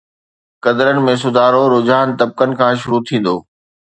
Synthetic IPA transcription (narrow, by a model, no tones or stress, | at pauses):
kɐd̪ɾənɪ̆mẽs̬ʊd̪ʱaːɾoɾʊd͡ʑaːənt̪ɐb̚kənɪ̆kʰãːʃ̬ʊɾut̪ʰĩːn̆d̪o̰ː